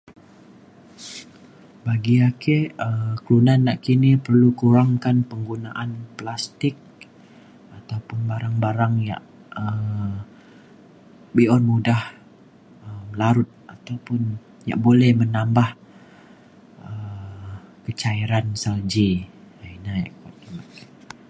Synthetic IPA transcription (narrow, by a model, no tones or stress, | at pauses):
baɡiakeəklunanːaʔkinipərlukuɾaŋkanpəŋɡunaʔanplast̪ɪk̚ | at̪awpʊnbaɾaŋbaɾaŋja̰ʔ | ə | biɔnmudah | əməlaɾʊt̪̚at̪awpʊn | ja̰ʔbolɛhmənambah | ə | kət͡ʃaiɾansald͡ʒiainaja̰ʔka̰t̪̚inaʔk